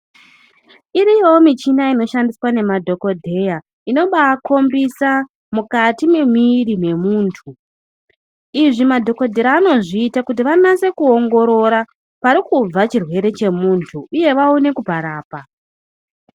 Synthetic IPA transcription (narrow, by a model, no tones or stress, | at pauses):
iɾijoomit͡ʃinaino̞ʃandiswane̞madʱo̞ko̞dʱe̞ja | ino̞ɓakʰo̞mbisa | mukatime̞miɾime̞muːntʰu | iʐimadʱo̞ko̞dʱe̞ɾaːno̞ʐiːtakut̬iʋanase̞kuo̞ŋɡo̞ɾo̞ɾa | paɾikub͡vat͡ʃirwe̞ɾe̞t͡ʃe̞muːntʰuuje̞ʋaune̞kupaɾaːpa